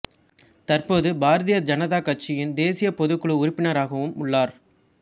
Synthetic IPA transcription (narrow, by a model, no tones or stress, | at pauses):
t̪ɐrpoːðɯbaːɾɐðɪjɐd͡ʒɐnɐðaːkɐʈ̚t͡ʃɪjɪnd̪eːsɪjɐpɔðɯkːɯɭɯʊɾɪpːɪnɐɾaːɣɐʋɯmʊɭːaːɾ